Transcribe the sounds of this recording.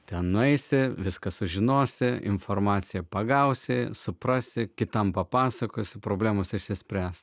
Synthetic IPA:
t̪ʲɛnnʊɛɪsʲɪʋʲɪskɐsʊʒʲɪnoːsʲɪɪ̰nfoːrmɑːt̪sʲɪjɛpɐɡɐʊsʲɪsʊpɾɐsʲɪkʲɪt̪ɐmpɐpɑːsɐkoːsʲɪpɾoːbʲlʲæːmoːsɪʃʲsʲɪsʲpʲɾʲæːs

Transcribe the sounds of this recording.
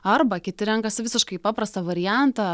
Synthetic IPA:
ɐrbɐkʲɪt̪ʲɪɾʲɛŋkɐsɪʋʲɪsʲɪʃkɐɪpɑːpɾɐst̪ɐʋɐɾʲɪjænt̪ɑː

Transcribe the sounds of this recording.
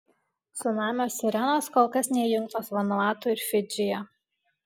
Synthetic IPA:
sʊnɑːmʲoːsʲɪɾʲɛnoːskoːlˠkɐsnʲɛjʊŋk̚t̪oːsʋɐnɔɑːt̪ʊɪɾfʲɪd͡ʒʲɪjɛ

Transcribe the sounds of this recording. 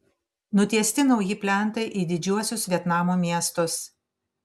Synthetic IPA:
nʊt̪ʲiɛsʲt̪ʲɪnɒʊjɪpʲlʲɛˑnˑt̪ɐɪʔiːd̪ʲɪd͡ʒʲuɔsʲʊsʋʲiɛt̪nɑːmoːmʲiɛst̪ʊs

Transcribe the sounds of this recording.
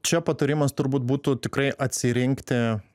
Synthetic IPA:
t͡ʃʲɛpɐt̪ɐɾʲɪmɐst̪ʊɾbuːt̪̚buːt̪ʊt̪ʲɪkrɐɪʔɐt̪ʲsʲɪɾʲɪŋkt̪ʲɪ

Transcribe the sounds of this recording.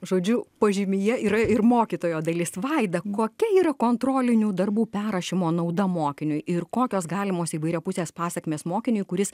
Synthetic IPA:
ʒoːd͡ʒʲʊpɐʒʲɪmʲɪjɛiːɾɐɪɾmoːkʲiːt̪oːjoːd̪ɐlʲɪsʋɐɪd̪ɐkoːkʲɛiːɾɐkoːnt̪ɾoːlʲɪnʲuːd̪ɐrbuːpʲæːɾɐʃʲɪmoːnɐʊd̪ɐmoːkʲɪnʲʊjɪrkoːkʲoːsɡɑːlʲɪmoːsiːʋɐɪɾʲɛpʊsʲeːspɑːsʲɛkmʲeːsmoːkʲɪnʲʊjkʊɾʲɪs

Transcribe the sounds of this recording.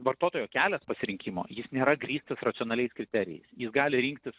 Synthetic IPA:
ʋɐrt̪oːt̪oːjoːkʲæːlʲɛspɐsʲɪɾʲɪŋʲkʲiːmo̰ːjɪsnʲeːɾɐɡɾʲiːst̪ɐsrɐt̪ɪoːnɐlʲɛɪskɾʲɪt̪ʲæɾʲɪ̰jɛ̰ɪsjɪsɡɑːlʲɪɾʲiːŋk̚t̪ʲɪs

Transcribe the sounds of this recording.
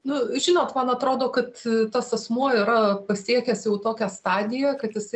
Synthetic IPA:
nʊʒʲɪnoːt̪mɐnɐt̪ɾoːd̪oːkɐt̪t̪ɐsɐsmuɔɪɾɐpɐsʲiɛkʲɛsjɛʊt̪oːkʲæst̪ɑːd̪ʲɪjɛkɐt̪jɪsɐɪ

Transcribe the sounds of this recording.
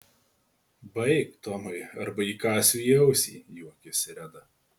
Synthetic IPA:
bɐɪk̚t̪ɔmɐɪɐɾbɐiːkɑːsʲuːjɛʊsʲḭːjuɔkʲɪsʲɪɾʲɛd̪ɐ

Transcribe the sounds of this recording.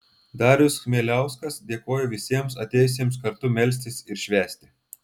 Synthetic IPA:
d̪ɑːɾʲʊsxmʲeːlʲæˑʊskɐsd̪ʲeɛkoːjoːʋʲɪsʲiɛmsɐt̪ʲeːjʊs̬ʲiɛmskɐɾt̪ʊmʲɛlʲs̬ʲt̪ʲɪsɪɾʃʲʋʲæːsʲt̪ʲɪ

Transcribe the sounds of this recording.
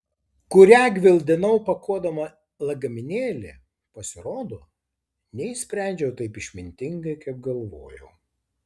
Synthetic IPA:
kʊɾʲæːɡʲʋʲɪlˠʲd̪ʲɪnɐʊpɐkuɔd̪ɐmɐ | lˠɐɡɐmʲɪnʲeːlʲɪ̰ | pɐsʲɪɾoːd̪oː | nʲɛɪsʲpʲɾʲæˑnʲd͡ʒʲɛʊt̪ɐɪpɪʃʲmʲɪnʲt̪ʲɪŋɡɐɪkɐp̚ɡɐlˠʋoːjɛ̰ʊ

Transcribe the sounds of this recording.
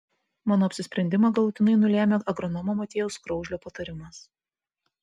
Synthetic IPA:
mɑːnoːɐpʲsʲɪsʲpʲɾʲɛnʲd̪ʲɪmɑɡɐlˠʊt̪ʲɪnɐɪnʊlʲæːmʲeːɐɡɾɔnɔmoːmɐt̪ʲeːjʊskɾɔʊʒʲlʲoːpɐt̪ɐɾʲɪmɐs

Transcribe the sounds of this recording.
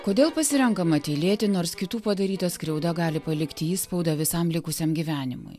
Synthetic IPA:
koːd̪ʲeːlˠpɐsʲɪɾʲɛŋkɐmɐt̪ʲeːlʲeːt̪ʲɪnoːɾskʲɪt̪uːpɐd̪ɐɾʲiːt̪ɐskɾʲɛʊd̪ɐɡɑːlʲɪpɐlʲɪkt̪ʲɪiːspɐʊd̪ɐʋʲɪsɐmlʲɪkʊsʲɛmɡʲiʋʲæːnʲɪmʊ̰ɪ

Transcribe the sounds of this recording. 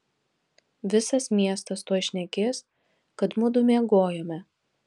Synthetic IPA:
ʋʲɪsɐsmʲiɛst̪ɐst̪uɔʃʲnʲɛkʲeːs | kɐt̪mʊd̪ʊmʲeɛɡoːjoːmʲɛ

